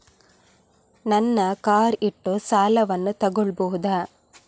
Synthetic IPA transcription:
nɐnːɐkaːɾiʈːoːsaːlɐʋɐnːut̪ɐɡɔɭbɔɦud̪aː

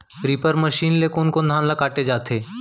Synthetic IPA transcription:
ɾipəɾməʃiːnlekoːnkoːnd̪ʱaːmlakaːʈed͡ʒaːt̪ʰe

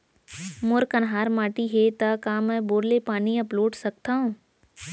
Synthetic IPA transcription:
mʊɾkənɦaːɾmaːʈiɦet̪akaːmɛ̃ːboːɾlepaːniɐploːʈsɐk̚t̪aːɦũː

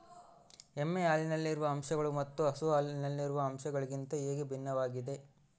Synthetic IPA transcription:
emːeaːlinɐlːiɾuʋɐːmʂɐɡɐɭumɐt̪ːuɐsuaːlinɐlːiɾuʋɐɐmʃɐɡɐɭiɡint̪ɐeːɡebʱinːɐʋaːɡid̪e̞

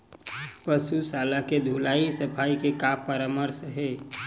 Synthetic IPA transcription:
pəsusalaked̪ʱulaisəpʰaikekapːəɾaməɾsɦe

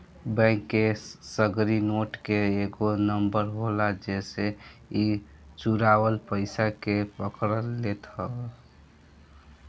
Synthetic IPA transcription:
bɛ̃ŋkːesəɡɾinoʈkeeɡonəmbəɾɦolad͡ʒesei | t͡ʃuɾawəlpəɪsakepəkɾəlːet̪ɦəl

